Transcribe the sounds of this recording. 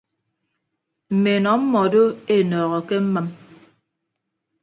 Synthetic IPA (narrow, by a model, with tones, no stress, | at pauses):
m̩˨me˨nɔ˨˦m̩˦mɔ˨do˦e˦nɔː˨ɣɔ˨ke˦m̩˦ma˦m